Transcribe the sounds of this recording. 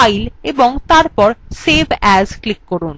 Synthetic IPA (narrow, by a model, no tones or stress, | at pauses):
jleboŋt̪aɾpɔɾsebʱɛzklikːɔɾun